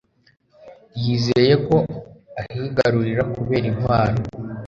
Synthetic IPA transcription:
jiːzeje̞ko̞ahiɡaɾuɾiɾakuβe̞ːɾinhwaːɾo

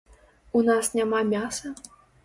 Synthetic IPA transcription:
unasnʲamamʲasɐ

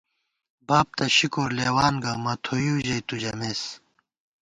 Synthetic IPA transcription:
baːp̚t̪ɐɕikoːɾleːwaːnɡamɐt̪ʰojuːʑɐjt̪ud͡ʑɐmeːs

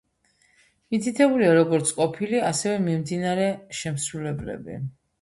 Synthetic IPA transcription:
mit̪ʰit̪ʰɛbuliaɾɔɡɔɾt̪sʰkʼɔpʰiliasɛvɛmimd̪inaɾɛʃɛmsɾulɛblɛ̰bḭ

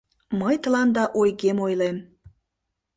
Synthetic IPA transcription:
məjt̪əlɑnd̪ɑʔojɣemojlem

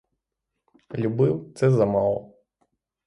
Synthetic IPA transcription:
lʲubɪwt̪sɛzɐmɑlˠɔ

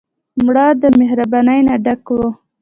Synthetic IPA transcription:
mɽɑd̪əmeɦɾabɑnajnaɖakwo

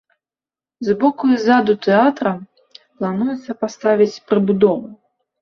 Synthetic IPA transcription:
zbɔkuizad̪ut̪ɛat̪ɾɐ | plˠanujɛt̪sːɐpast̪avʲit͡sʲpɾɨbud̪ɔvu

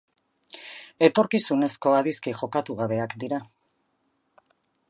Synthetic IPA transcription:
e̞t̪o̞ɾkisune̞sko̞aðiskiʝo̞kat̪uɣ̞aβe̞akd̪iɾa

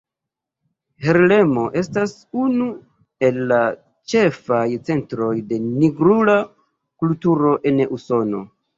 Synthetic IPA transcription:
he̞ɾle̞mo̞ʔe̞stas | unu | e̞lːa | t͡ʃe̞fajt͡se̞ntɾo̞jde̞niɡɾula | kultuɾo̞ʔe̞nuso̞no̞̰

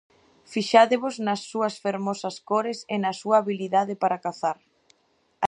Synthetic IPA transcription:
fiʃaðeβʊznɐsːuɐsfeɾmɔsɐskoɾesenɐsuɐːβiliðaðɪpaɾakaθaɾ

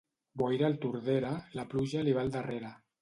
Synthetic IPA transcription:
bojɾalt̪uɾðeɾalapluʒaliβ̞ald̪areɾa

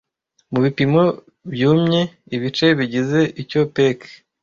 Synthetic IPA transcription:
muβipimo̞ | bjuːmɲe̞ | iβit͡ʃe̞βiɟize̞ʔico̞pek

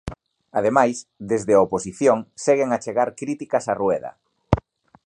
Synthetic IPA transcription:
að̞emajsd̪ezðɪaoposiθjoŋseɣeŋat͡ʃeɣaɾkɾit̪ikɐsarueðɐ̰

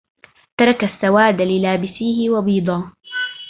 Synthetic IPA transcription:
t̪ɑɾˤɑkasːawaːd̪lɪlaːbɪsiːhɪwɑbiːd̪ˤɑː

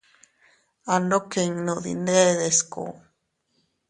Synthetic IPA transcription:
anokeŋnod̪ḭneːðesko̰

